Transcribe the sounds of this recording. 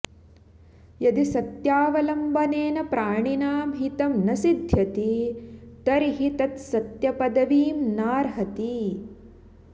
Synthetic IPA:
jɐd̪isɐt̪jaːʋɐlɐmbʱɐneːnɐpɾaːɳinaːmɦit̪ɐmnɐsid̪ʱjɐt̪it̪ɐɾiɦit̪ɐt̪sɐt̪jɐpɐd̪ɐʋiːmnaːɾɦɐt̪i

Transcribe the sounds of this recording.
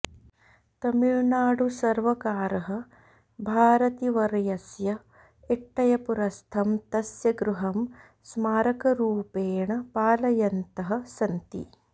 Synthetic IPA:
t̪ɐmiɭnaːɽusɐɾʋɐkaːɾɐɦɐ̆ | bʱaːɾɐt̪iʋɐɾjɐsjɐ | iʈːɐjɐpuɾɐst̪ʰɐmt̪ɐsjɐɡɾuɦɐm | smaːɾɐkɐɾuːpeːɳɐpaːlɐjɐnt̪ɐɦɐ̆sɐnt̪ḭ

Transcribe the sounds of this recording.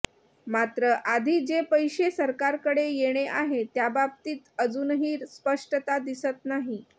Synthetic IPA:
mat̪ɾəʔad̪ʱiːd͡ʑepəjɕesəɾkaɾkəɽejeɽ̃eʔaɦet̪jababt̪iːt̪əd͡zuːnɦiːɾspəʂʈət̪ad̪isət̪naɦi

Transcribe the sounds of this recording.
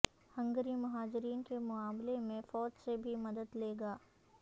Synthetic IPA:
hɐ̃ŋɡəɾimɐɦaːd͡ʒɪɾiːnkemʊaːmlemẽfɔːd͡ʒsebʱimɐd̪əd̪leːɡaː

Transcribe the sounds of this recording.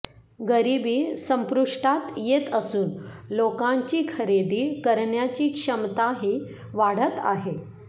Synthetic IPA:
ɡəɾibiːsə̃mpɾuʂʈat̪jet̪əsuːnlokãɲt͡ɕiːkʰəɾed̪iːkəɾɳjat͡ɕiːkʂəmt̪aɦiː | ʋaɽ̤ət̪a̰ɦe

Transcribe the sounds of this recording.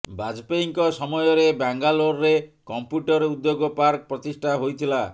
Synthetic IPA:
bad͡ʒpeiŋkɔsɔmɔjɔɾebaŋɡaloɾːekɔmpjuʈɔɾud̪ːjoɡɔpaɾkɔpɾɔt̪isʈʰaɦojt̪ʰila

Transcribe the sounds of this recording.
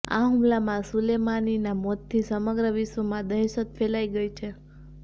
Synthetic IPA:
a̰ɦumlamãsulemaninamɔt̪ʰːisəməɡɾəʋiʃʋomãd̪əɦeʃət̪fʰelaiɡəit͡ʃʰe

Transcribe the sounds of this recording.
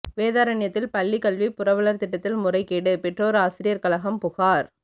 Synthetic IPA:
ʋeːðaːɾɐɳɪjɐt̪ːɪlpɐɭːikɐlʋipʊrɐʋɐɭɐɾt̪ɪʈːɐt̪ːɪlmʊrɐɪkːiːɽɯpɛʈroːɾaːsɪɾɪjɐɾkɐlɐɣɐmpʊɣaːɾ

